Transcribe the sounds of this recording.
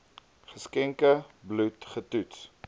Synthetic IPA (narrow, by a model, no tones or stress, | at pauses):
χəskɛŋkəblutχətuts